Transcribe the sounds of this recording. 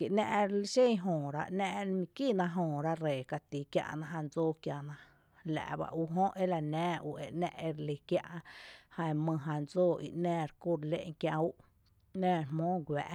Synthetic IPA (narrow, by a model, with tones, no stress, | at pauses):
ke˨ʔnɛ̃˦˧ʔɾli˦ʃẽ˦˧ɦõː˨ɾa˦˧ʔnɛ̃˧ʔmĩ˧kiː˦˨nã˧ɦõː˧˨ɾa˦ɾeː˨ka˧t̪i˨kja̰˧ʔnã˧ɦã˧nd͡zoː˦˨kja˧nã˧ | læ̰˨ʔba̰˧ʔu˧ɦõ˦ʔe˦la˧nɛ̃ː˦ʔu˧ʔe˧ʔnɛ̰̃˧ʔe˧ɾli˧kja̰˧ʔhã˧mɨ̃˧ɦã˧nd͡zoː˦˨ḭ˧ʔnɛ̃ː˧˨ɾku˦˨ɾlḛ˦ʔŋkjã˧u˦ʔ | nɛ̃ː˧˨mõː˦ɡʷɛː˨ʔ